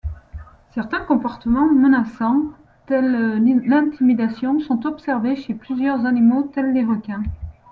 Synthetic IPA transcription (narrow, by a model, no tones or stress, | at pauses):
sɛʁt̪ɛ̃kɔ̃pɔʁt̪əmɑ̃mənasɑ̃ | t̪ɛlːɛ̃t̪imid̪asjɔ̃sɔ̃t̪ɔpsɛʁveʃeplyzjœʁzanimot̪ɛldeʁɔkʲɛ̃